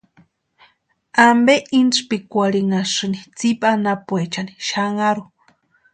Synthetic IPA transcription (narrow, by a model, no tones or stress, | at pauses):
ambeʔint͡spikʷaɾiŋaʂɨnit͡sipanapwet͡ʃaniʃaŋaɾu